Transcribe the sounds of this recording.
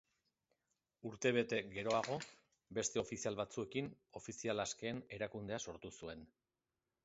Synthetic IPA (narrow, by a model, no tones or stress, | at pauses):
uɾt̪e̞β̞e̞t̪e̞ɡe̞ɾo̞aɣ̞o̞ | be̞st̪e̞o̞fisialβat͡sue̞kino̞fisialaske̞ːne̞ɾakund̪e̞aso̞ɾt̪usue̞n